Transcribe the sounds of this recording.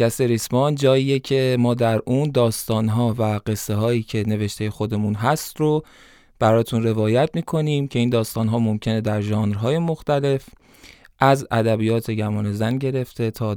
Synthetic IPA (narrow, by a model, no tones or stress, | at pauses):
æseɾismɒnd͡ʒɒːiːjecʰe̞mɒːd̪æɾuːnd̪ɒːst̪ɒːnɦɒːvæɢe̞sːe̞ɦɒːiːcʰe̞ne̞ve̞ʃt̪ʰe̞je̞xo̞d̪e̞munɦæst̪ro | b̥æɾɒːt̪ʰunre̞vɒːjæt̪̚ʰmiːkʰo̞niːmcʰe̞iːnd̪ɒːst̪ɒːnɦɒːmo̞mcʰe̞ne̞d̪æɾʒɒːnɾɦɒːje̞mo̞xt̪æle̞f | ʔæzæ̰d̪æbijɒːt̪ʰe̞ɟæmɒːne̞zænɟe̞ɾe̞ft̪ʰe̞t̪ʰɒː